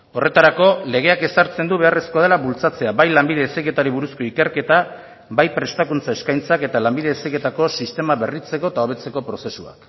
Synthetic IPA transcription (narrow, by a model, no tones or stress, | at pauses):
o̞re̞t̪aɾako̞le̞ɣe̞ake̞saɾt͡se̞nd̪uβe̞are̞sko̞aðe̞laβult͡sat͡se̞aβajlambiðe̞ːsejɣke̞t̪aɾiβuɾusko̞ike̞ɾke̞t̪a | bajpɾe̞st̪akunt͡saeskajnt͡sake̞t̪alambiðe̞esejɣet̪ako̞sist̪e̞maβe̞rit͡se̞ko̞et̪ao̞β̞e̞t͡se̞ko̞pɾo̞se̞sua̰k